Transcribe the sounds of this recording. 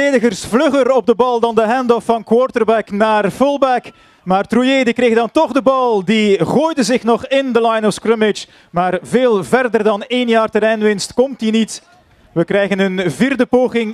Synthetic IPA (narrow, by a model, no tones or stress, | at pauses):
eːdəɣərsflɵχərɔb̚dəbɑlˠdɑndəɦɛndɔfːɑnkwɔrtərbɛknaːrfʊlˠbɛk | maːrtrujeːdikreːɣdɑntɔɣdəbɑlˠdiɣoːjdəzɪxnɔχɪndəlajnɔskrɪmɪt͡ʃ | maːrveːlˠvɛrdərdɑneːnjaːrtəɾɛjnʋɪnstkɔmtdinit | ʋəkrɛjɣənənviːrdəpoːɣɪŋ